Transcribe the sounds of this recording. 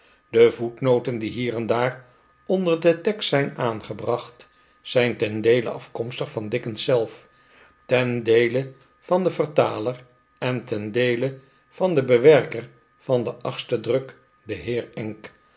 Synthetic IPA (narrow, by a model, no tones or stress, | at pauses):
dəvutnowtəndiɦiːrɛndaːr | ɔndərdətɛkstːɛjnaːnχəbrɑχt | z̥ɛjntɛndejlə̰ʔɑ̰fkɔmstəχfɑndɪkənsɛlˠf | tɛndejlə | v̥ɑndəvərtaːlər | ɛntɛndejlə | v̥ɑndəbəʋɛɹkər | v̥ɑndəʔɑχstədrɵk | dəɦɪːɹɛŋk